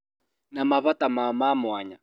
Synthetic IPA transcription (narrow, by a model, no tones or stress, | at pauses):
namaβatamamamʊaɲa